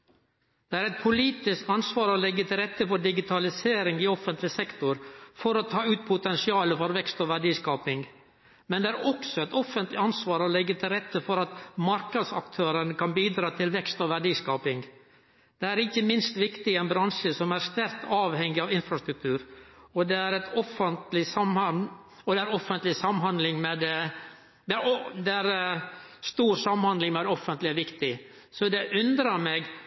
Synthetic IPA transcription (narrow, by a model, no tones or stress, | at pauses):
d̪̥ɛæːɾɛt̪̚pʰʊliːt̪ɪsk̪ɑnsʋɑːɾɔːlɛɡːət̪ʰɪlɾɛt̪ːəfɔɖɪɡɪt̪ʰɑlɪseːɾɪŋɪɔfənt̪lɪsɛkt̪ʊɾfɔɾɔt̪ʰɑːʉːt̪̚pʰʊt̪ɛnsɪɑːləfɔɾʋɛkst̪oːʋæɖiːskɑːpɪŋ | mɛnd̪ɛæːɾɔksɔɛt̪ɔfənt̪lɪɑnsʋɑːɾɔlɛɡːət̪ʰɪlɾɛt̪ːəfɔɾɑt̪mɑɾkəd̪sɑkt̪ʰøːɾənəkɑnbiːd̪ɾɑːt̪ʰɪlʋɛkst̪oːʋæɖiːskɑːpɪŋ | d̪̥ɛæɾɪkːəmɪnst̪ʋɪkt̪ɪɛnbɾɑnʂəsɔmæɾst̪æɾkt̪ɑːʋhɛŋːɪɑʋɪnfɾɑst̪ɾʉk̚t̪ʰʉːɾɔd̪ɛæɾɛt̪ʰɔfənt̪lɪsɑmɑn | ɔd̪ɛæɾɔfːənt̪lɪsɑmnhɑnd̪lɪŋmɛd̪ɛ | d̪ɛæɾd̪ɛæɾ | st̪uːɾsɑmənhɑnd̪lɪŋmɛæɾɔfːənt̪lɪɛʋɪkt̪ɪ | sɔd̪ɛʔʉnd̪ɾəɾmeːɡ